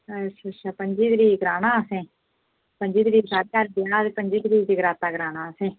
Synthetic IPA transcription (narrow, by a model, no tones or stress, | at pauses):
əʃʰaːʃʰaːpəɲd͡ʒiːd̪ɾiːɡəɾaːnaːəsẽː | pəɲd͡ʒiːd̪ɾiːsaːɾeːaːɾbɪjaːt̪eːpəɲd͡ʒiːd̪ɾiːd͡ʒ̪iːɡəɾaːt̪aːɡəɾaːnaːəsẽː